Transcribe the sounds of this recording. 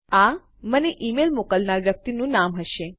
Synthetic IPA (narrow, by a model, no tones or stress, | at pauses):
a | məneʔimelmokəlnaɾʋjək̚t̪inũnamɦəʃe